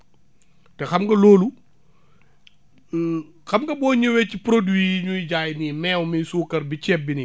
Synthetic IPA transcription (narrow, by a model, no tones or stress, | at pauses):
tɛxɐmɡɐlɔːlu | xɐmɡɐbɔːɲəwɛcipɾodwiːɲujɟaːjnimɛːwmijsuːkɐɾbit͡ʃɛbːini